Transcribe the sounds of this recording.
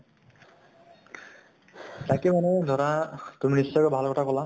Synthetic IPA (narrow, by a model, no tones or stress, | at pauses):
t̪akemanod̪ʱɔɾat̪uminisːɔkɔbʱalkʰɔʈʰakɔla